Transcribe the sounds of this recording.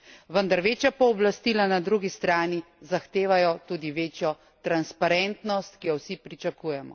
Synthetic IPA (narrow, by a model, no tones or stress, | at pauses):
ʋənd̪aɾʋeːt͡ʃjapɔːblast̪iːlanad̪ɾuɡist̪ɾaːni | zaxt̪eːʋajɔt̪uːd̪iʋeːt͡ʃjɔ | t̪ɾanspaɾɛnt̪nɔst̪kijɔwsipɾit͡ʃakuːjɛmɔ̰